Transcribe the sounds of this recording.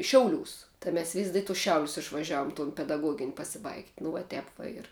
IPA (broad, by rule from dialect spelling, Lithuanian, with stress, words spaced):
ˈʃʲɛʊˌlʲuːs tɐɪ ˈmʲɛs ʋʲɪsʲ dʲɪ tʊs ˈʃʲɛʊlʲʊs ɪʃʋɐˈʒʲɛʊm tʊn pʲɛdɐˈɡuɔɡʲɪnʲ pɐsʲɪˈbɐɪktʲ nʊ ʋɐ ˈtʲɛp ʋɐ ˈɪr